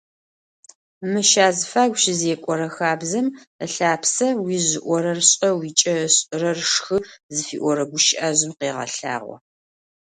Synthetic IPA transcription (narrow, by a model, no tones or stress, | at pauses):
mɨʃaːzɨfaːɡʷɕɪzeːkʷʼɔɾɐxaːbzɐm | əɬaːpʰsɐwiːʑɪʔʷɔɾɐrɕʼɐwit͡ʃʼɐɕʼɨrɐrʂxɨzɨfḭːʔʷɔɾɐɡʷʊʃɪʔaːzɪmqeːʁɐ̰ɬa̰ːʁʷɔ̰